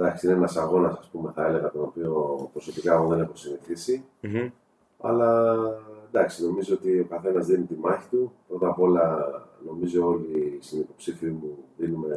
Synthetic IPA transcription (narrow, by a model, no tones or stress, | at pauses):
d̪ɐksiinenɐsɐɣo̞nɐsɐspume̞θɐe̞le̞ɣɐt̪o̞nopio̞pɾo̞so̞pikɐeɣoðene̞xosiniθisi | ɐ̰lɐ | end̪ɐksino̞mizoot̪io̞kɐθe̞nɐzðinut̪imɐçi̥t̪upɾo̞t̪ɐpo̞lɐno̞mizo̞o̞list̪inipo̞psifiimuðinume̞